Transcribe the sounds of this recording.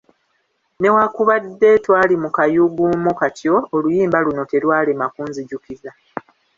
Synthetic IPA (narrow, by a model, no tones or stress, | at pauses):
ne̞wakuβadːe̞twaːlimukajuɡumokatʰjo̞ːlujiːmbaluno̞te̞lwaːle̞makuːnziɟukiza